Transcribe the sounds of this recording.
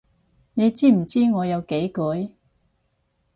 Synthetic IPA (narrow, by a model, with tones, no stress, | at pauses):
ne˨˧jt͡siː˥m̩˨˩t͡siː˥ŋɔː˨˧jɐ˨˧wke˨˥jkɵ˨˥j